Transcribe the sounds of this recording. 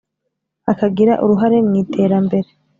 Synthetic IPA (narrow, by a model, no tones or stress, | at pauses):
akaɡiɾa̰ʔṵɾuɦaɾe̞mŋiːtʰe̞ːɾambe̞ɾe